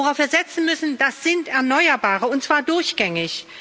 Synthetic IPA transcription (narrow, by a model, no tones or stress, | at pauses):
oʁaʊfviːɐzɛt͡sn̩mʏsn̩d̥asz̥ɪntɛɐnɔʏɐbaːʁəʊntt͡sv̥aːɐdʊɐçɡ̥ɛŋɪç